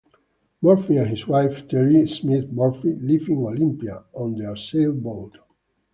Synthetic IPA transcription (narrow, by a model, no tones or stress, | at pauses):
mɔɹfiɛ̃nhiswajft̪ʰɛɹismit̪mɔɹfilivĩŋolĩmpia̰ɔ̃nd̪əselbot